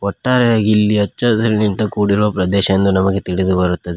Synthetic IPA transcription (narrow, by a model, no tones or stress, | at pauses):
ɔʈːaːɾɛjaːɡilːiɐt͡ʃːɐɐsɐɾinint̪ɐkuːɽiɾuʋɐpɾɐd̪ɛːʃɐɐnd̪unɐmɐɡet̪iɽid̪ubɐɾut̪ːɐd̪e